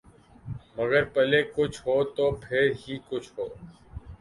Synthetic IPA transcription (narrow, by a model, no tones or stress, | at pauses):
məɡəɾpəlekʊt͡ʃʰɦoːt̪oːpʰɪɾɦiːkʊt͡ʃʰɦoː